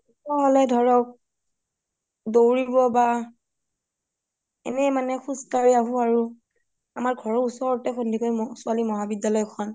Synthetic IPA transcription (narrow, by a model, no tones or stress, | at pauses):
usɔɦɔlɛdʱɔɹɔk̚ | dowɹiɹbɔba | ɛ̰nɛmanɛxustaɹiaɦũaɹu | amaɹɡʱɔɹɔusɔɹɔtɛxondʱikojsʊalimɔɦabidjalɔjkʰɔn